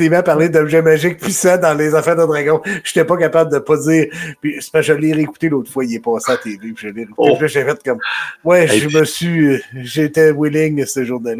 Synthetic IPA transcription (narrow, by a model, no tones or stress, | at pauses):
ivãpaʁled̪ɔbʒɛmaʒɪk̚pisad̪ɑ̃lezafɛːʁd̪əd̪ʁaɡɔ̃ʃe̥t̪ɛpʌkapabləd̪əpʌd͡ziːʁpispaʒalːeʁeku̥t̪eloːt̪ʁfwailɛpɑːseat̪eːvepiʒalːɛʁekut̪epiʒɛʒɛfɛt̪̚kɔmwɛʒəməsɥiʒet̪ɛwɪlɪŋsəʒuʁnal